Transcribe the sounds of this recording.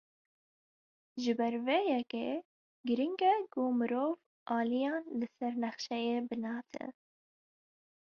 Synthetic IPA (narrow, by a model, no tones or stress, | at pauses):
ʒɨbɛɾveːjɛkḛ | ɡɨɾiŋɡɛkomɨɾoːv | ʔɑːlijɑːnlɨsɛɾnɛxʃɛjeːbɨnɑːt̪ʰɛ̰